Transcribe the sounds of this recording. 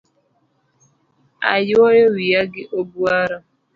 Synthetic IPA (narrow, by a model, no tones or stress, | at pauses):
a̰jwɔjɔwijaɡɪʔobwaɾɔ